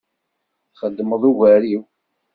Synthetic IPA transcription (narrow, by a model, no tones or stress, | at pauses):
χəd̪ːməðˤuvæɾiw